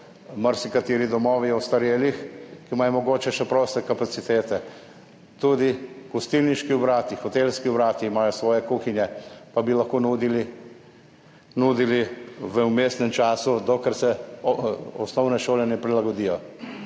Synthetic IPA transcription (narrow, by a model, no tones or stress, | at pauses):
maɾsikat̪eːɾid̪ɔmɔːʋiɔwst̪aɾjeːlixkimaːjɔmɔɡoːt͡ʃɛʃɛpɾoːst̪ɛkapat̪sit̪eːt̪ɛ | t̪ud̪iɡ̥ust̪ilniʃkiwbɾaːt̪ixɔt̪eːlskiubɾaːt̪iːmaːjɔsʋɔːjɛkuːxinjɛpabilaxkoːnuːd̪ili | nuːd̪iliʋəumesnɛmt͡ʃaːsud̪ɔkɛɾsɛ | ɔ̰snɔwnɛʃoːlɛnɛpɾilaɡɔd̪ijɔ